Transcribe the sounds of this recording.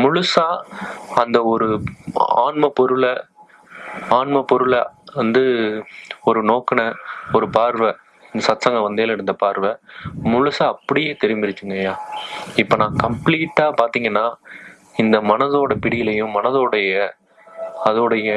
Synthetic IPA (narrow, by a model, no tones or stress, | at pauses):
mʊɻʊsaːɐnd̪ɐɔɾɯa̰ːɳmɐpɔɾɯɭɐ | aːɳmɐpːɔɾɯɭʋɐnd̪ɯ | ɔɾɯnoːkɐnɐɔɾɯpaːɾʋɐ | ɪnd̪ɐsɐt̪sɐŋɡɐ̃ʋɐnd̪eːlɪɽɯnd̪ɐpaːɾʋɐmʊɻʊsaːɐpːɐɽɪjeːt̪ɛɾɪmbɪɾɪt͡ʃːɯŋɡɐjaːɪpːɐːnãːkɐmpliːʈːaːpaːɾt̪iːŋɡɐnːaː | ɪnd̪ɐmɐnɐðoːɽɐpɪɽɪjɪlɐjʊ̃mɐnɐðoːɽɐjɐ | ɐðoːɽɐjɐ